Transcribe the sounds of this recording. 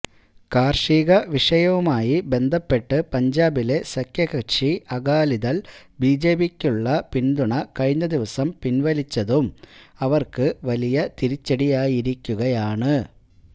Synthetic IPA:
kaːrʂiːɣɐʋiʂɐjɐʋumaːjibe̞nd̪ʱɐpːe̞ʈːɨpɐɲd͡ʑaːbile̞sɐkʰjɐɣɐkʂiɐɣaːliðɐlbiːd͡ʑeːbikʲːuɭːɐpind̪uɳɐkɐɻiɲːɐd̪iʋɐsɐmpinʋɐlit͡ɕːɐðumɐʋɐrkɨʋɐlijɐt̪iɾit͡ɕːɐɽijaːjiɾikʲːuɣɐjaːɳɨ

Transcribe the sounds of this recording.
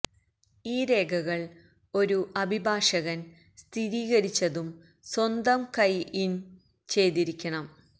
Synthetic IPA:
iːɾe̞ːɡʰʱɐɣɐɭ | o̞ɾuʔɐbʱibʱaːʂɐɣɐn | st̪ʰiɾiːɣɐɾit͡ɕːɐðum | swɐnd̪ɐmkɐjin | t͡ɕe̞jðiɾikʲːɐɳɐm

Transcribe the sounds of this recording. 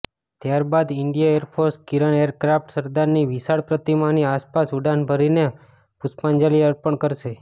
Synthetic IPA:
t̪jaɾbad̪ɪɳɖijaeɾpʰoɾskiɾəneəɾkɾafʈsəɾd̪aɾniʋisaɽpɾət̪imaniaspasuɖanbʱəɾine | puspand͡ʒaliəɾpəɳkəɾʃe

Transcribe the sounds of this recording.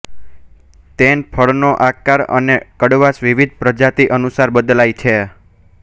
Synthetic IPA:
t̪enpʰəɭnoʔakaɾə̰nekəɽʋasʋiʋid̪̚ʱpɾəd͡ʒat̪iʔənusaɾbəd̪lajt͡ʃʰe

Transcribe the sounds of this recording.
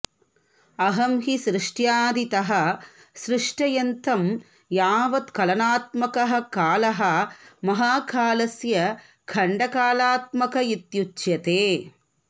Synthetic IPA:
ɐɦɐmɦisɾɪʂʈjaːd̪it̪ɐɦɐ̆ | sɾɪʂʈɐjɐnt̪ʰɐm | jaːʋɐt̪kɐlɐnaːt̪̚mɐkɐɦɐ̆kaːlɐɦɐ̆mɐɦaːkʰaːlɐsjɐ | kʰɐɳɖɐkaːlaːt̪̚mɐkɐit̪jut͡ʃːjɐt̪eː

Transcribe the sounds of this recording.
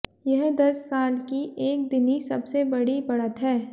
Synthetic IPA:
jɐɦd̪ɐsːaːlkiʔeːk̚d̪ɪnisɐbsebɐɽibɐɽət̪ɦɛː

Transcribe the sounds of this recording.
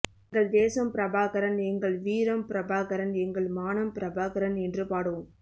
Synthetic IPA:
ɡɐɭd̪eːsɐmpɪɾɐbaːɣɐɾɐnɛŋɡɐɭʋiːɾɐmpɪɾɐbaːɣɐɾɐnɛŋɡɐɭmaːnɐmpɪɾɐbaːɣɐɾɐnɛndrɯpaːɽɯm

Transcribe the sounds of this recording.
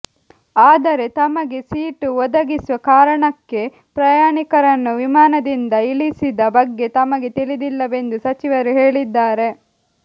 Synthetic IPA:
aːd̪ɐɾe̞t̪ɐmɐɡe̞siːʈuʋɔd̪ɐɡisuʋɐkaːɾɐɳɐkːe̞ | pɾɐjaːɳikɐɾɐnːuʋimaːnɐd̪ind̪ɐilisid̪ɐbɐɡːe̞t̪ɐmɐɡe̞t̪iɭid̪ilːɐʋe̞nd̪usɐt͡ʃiʋɐɾuɦe̞ːɭid̪ːaːɾe̞

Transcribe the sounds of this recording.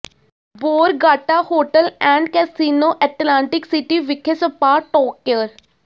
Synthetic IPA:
boːɾɡaːʈahoːʈəlɛ̃ːɳɖkɛːsiːnoːʔɛʈlãːɳʈɪksɪʈiʋɪkʰesəpaːʈɔːkːjəɾ

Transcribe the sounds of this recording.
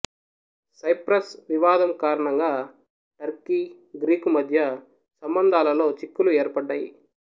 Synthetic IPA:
sɐjpɾɐsʋiʋaːd̪ɐmkaːɾɐɳɐŋɡaː | ʈɐɾki | ɡɾiːkumɐd̪ʱjɐ | sɐmbɐnd̪ʱaːlɐlo̞ːt͡ʃikːulueːɾpɐɖːɐːjḭ

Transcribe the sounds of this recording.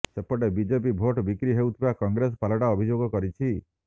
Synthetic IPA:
sepɔɽebid͡ʒep̬ibʱoʈbikɾiɦewt̪ʰibakɔŋɡɾesɔpalɔʈaɔbʱid͡ʒoɡɔkɔɾit͡ʃʰi

